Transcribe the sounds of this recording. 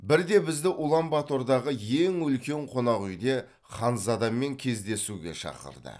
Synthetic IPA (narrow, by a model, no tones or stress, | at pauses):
bɪɾd̪e̞bɪzd̪ɪʔʊlˠɑmbɑt̪o̞ɾd̪ɑʁəje̞ŋʏlkʲe̞ɴqʰo̞nɑqʏjd̪e̞ | χɑnzɑd̪ɑmːe̞ŋkʲʰe̞zd̪e̞suɡʲe̞̰ʃɑ̰qə̰ɾd̪ə̰